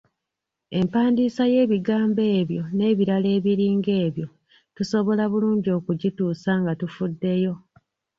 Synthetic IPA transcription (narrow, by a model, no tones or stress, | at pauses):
e̞mpaːndiːsaje̞ːβiɡaːmbe̞ːβjo̞ne̞ːβiɾale̞ːβiɾiːŋɡe̞ːβjo̞ | tuso̞βo̞laβuluːɲɟio̞ːkuɟituːsaŋɡatufudːe̞jo̞